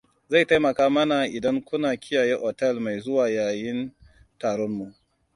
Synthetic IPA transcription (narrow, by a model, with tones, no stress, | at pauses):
za˦˨jta˦jmɐ˨kaː˦mɐ˦na˨ʔɪ˨dɐ˦ŋkʷʊ˦naː˨kʲɪ˦jaː˨je˦ʔɔ˨tɛ˦˨lma˨jzʊ˦waː˨jaː˨jɪ˦n | taː˨ɽɔ˦mːu˨ʔ